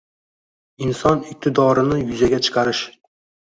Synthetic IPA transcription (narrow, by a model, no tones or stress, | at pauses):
ɪnsɒnɪk̚ʲt̪ʰɪd̪ɒɾɪnɪjʊzaɡʲat͡ʃʰɨ̥qʰɑɾɪʃ